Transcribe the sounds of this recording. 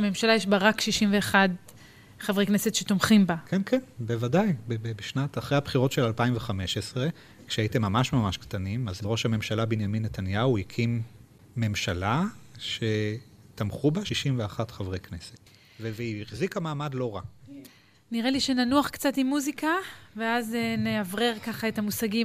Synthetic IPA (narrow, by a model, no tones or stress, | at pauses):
me̞mʃalajeʃ̬baʁakʃiʃimveːχad | χavʁeknesetʃetomχimbakʰenkʰenbevadajbebebeʃnataχʁehabχiʁo̞tʃelalpaimveχameʃesʁe | kʃeajitemːamaʃmamaʃkt̪animazʁo̞ʃhamemʃalabinjaminːetanjauhikʰimː | e̞mʃalaʃe | tamχubaʃiʃimveaχatχavʁejkneset | veveiχzikamaːmadlo̞ʁa | niʁeliʃenanuaχkt͡satimːuzikaveazeneavʁe̞ʁkaχae̞tamusaɡi